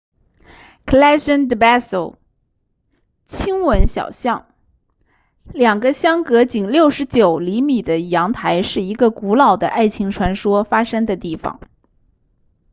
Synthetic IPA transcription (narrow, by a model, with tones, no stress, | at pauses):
kʰə˨˧la˥ʂə˥nd̪ə˧˩ba˥so˨˩ʊ | t͡ɕʰi˥ŋwə˧˥nɕjɑ̰˨˩ʊɕjɑ˥˩ŋ | ljɑ˨˩ŋɡə˦ɕjɑ˥ŋkɤ˧˥t͡ɕi˨˩ŋljo˥˩ʊʂɻ̩˧˥t͡ɕjo˨˩ʊli˧˥mi˨˩d̪ə˦jɑ˧˥ŋt̪ʰa˧˥ɪʂɻ̩˥˩i˧˥ɡə˧ku˧˥lɑ˨˩ʊd̪ə̰˦ʔa˥˩ɪt͡ɕʰi˧˥ŋʈ͡ʂʰwa˧˥nʂwɔ˥fa˥ʂɤ˥ŋd̪ə˨t̪i˥˩fɑ̰˩˦ŋ